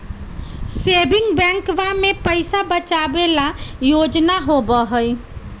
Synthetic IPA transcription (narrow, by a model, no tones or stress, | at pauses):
sebɪŋɡbɛ̃ŋkʋamepəɪsabət͡ʃabelajod͡ʒnaɦobəɦəj